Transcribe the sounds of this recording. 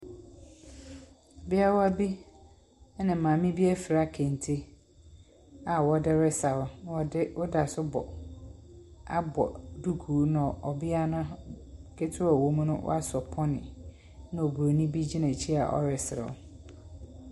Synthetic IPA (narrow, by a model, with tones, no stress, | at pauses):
ɔ˨bɪ˦a˦wɔ˦a˦bi˦ | nɪ̃˨mãː˨mɪ̃˦bi˦æ˦fɪ˨ɾa˦kʰẽ˨n˨tʰi˦ | a˨wɔ˦dɪ˦ɾɪ˦sa˨wʊ˨˦wɔ˦dɪ˦wʊ˦da˨sʊ˦bɔ̰˨ | a˦bɔ̰˨du˦ɡʰuː˨˦nã˨ɔ˨bɪ˦a˦nʊ̃˦ | kʰe˦tʰɪ˦ɔ˨wo˦mũ˦nʊ̰̃˦wʔa˦sɔ˨pʰɔ˦nɪ̰̃˨ | nã˦o˨bu˨o˨nĩ˦bi˦d͡ʑi˦nã˨t͡ɕʰi˦a˨ʔɔ̰˦ɾɪ˨sɪ˨ɾɪ̰˨ʊ̰˨